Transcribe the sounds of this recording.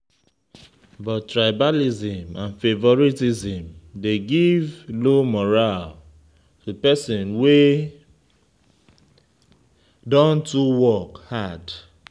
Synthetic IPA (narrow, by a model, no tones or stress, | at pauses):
bɔttɹaɪbalizĩmãnfevɔɹitizĩmdeɡivlomɔɹal | tupɛsɔ̃nwe | dɔ̃ntuwɔkhad